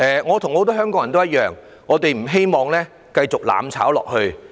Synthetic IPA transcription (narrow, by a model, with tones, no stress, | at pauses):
ʔɛː˨˩ŋɔː˨˧t̪ʰʊ˨˩ŋho˨˥wt̪ɔː˥ɦœː˥ŋkɔː˨˥ŋɐ˨nt̪o˥wjɐ˥t̚jœː˨ŋː | ɔː˨˧t̪e˨jm̩˨˩ɦe˥jmɔː˨ŋlɛː˥ | kɐ˧jt͡sʊ˨k̚la̰ː˨mt͡sʰa̰ː˨˥wlɔ̰ː˨k̚hɵ˧ɥ